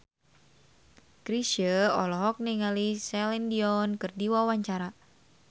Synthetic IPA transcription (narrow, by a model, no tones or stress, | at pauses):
kɾiʃəɔ̰lɔɦɔk̚niŋalisɛlindiɔnkɨrdiwawaɲt͡ʃaɾa